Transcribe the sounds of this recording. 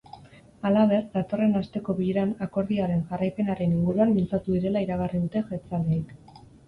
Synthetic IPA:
alaβ̞e̞rd̪at̪o̞re̞nast̪e̞ko̞βiʎeɾanako̞ɾðiaɾe̞nʝarajpe̞naɾe̞niŋɡuɾuanbilt͡sat̪uðiɾe̞laiɾaɣariðut̪e̞ʝet͡sald̪eik

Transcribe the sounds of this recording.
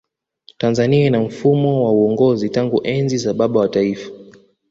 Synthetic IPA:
tanzaniainam̩fumɔwauɔŋɡɔzitaŋɡuʔɛnzizaɓaɓawataifḁ

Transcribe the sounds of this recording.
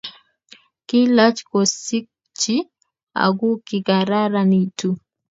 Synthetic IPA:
kilat͡ʃi̥kɔsik̚ | t͡ʃi | a̰ɡukiɡaɾaɾanitu

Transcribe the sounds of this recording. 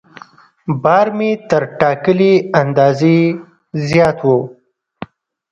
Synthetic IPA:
bɑːɾmit̪əɾʈɑkəliand̪ɑːzi | zjɑːt̪wo

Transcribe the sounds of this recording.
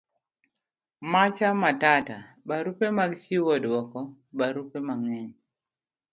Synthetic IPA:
mat͡ʃamatata | baɾupemaɡsiwɔdwɔkɔ | baɾupemaŋɛɲ

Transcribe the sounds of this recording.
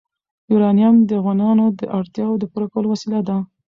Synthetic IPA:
juɾɑnijamd̪əavɣɑnɑnod̪əʔaɽt̪jɑwod̪əpuɾakawəlowasilad̪a

